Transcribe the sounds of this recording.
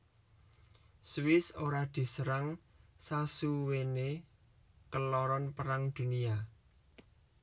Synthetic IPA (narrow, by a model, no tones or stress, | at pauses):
swɪsoɾad̪̥i̤səɾaŋsasuwene | kəlɔɾɔnpəɾaŋd̪̥ṳnia